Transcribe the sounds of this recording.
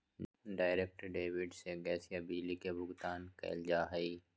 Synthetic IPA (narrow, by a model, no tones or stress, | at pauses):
ɖaːɪɾeːk̚ʈəɾɖeːwɪɖseɡɛːsijabiːlikebʱʊɡt̪aːnkɛ̰ɪld͡ʒaːɦɐi